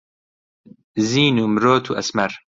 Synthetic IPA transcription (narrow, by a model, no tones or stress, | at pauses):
ziːnuːmɾoːt̪ʰuːʔɐsmɐɾ